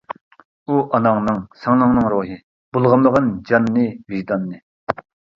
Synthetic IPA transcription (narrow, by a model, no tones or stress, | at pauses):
uʔɑnɑŋnɨŋsɑŋlˠɑŋnɨŋɾoɦɨ | b̥ulˠʁɑmlˠəʁənd͡ʒɑnːɨviʒd̪ɑnːɨ